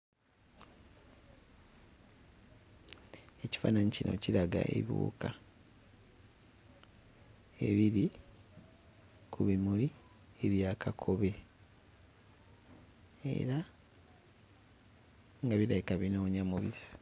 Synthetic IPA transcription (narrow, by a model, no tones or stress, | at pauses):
eci̥fa̰ːnaɲicinʔo̞̰ciɾaɡa̰ʔḛβṵːka | e̞βiɾi | kʰuβimuli | eβjaːkʰakʰo̞βe̞ | e̞̰ɾa | ŋɡaβilaikaβinoːɲamuβisi̥